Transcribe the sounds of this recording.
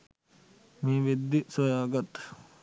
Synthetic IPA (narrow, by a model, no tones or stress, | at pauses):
miːʋed̪ːisɐjaːɡɐt̪ː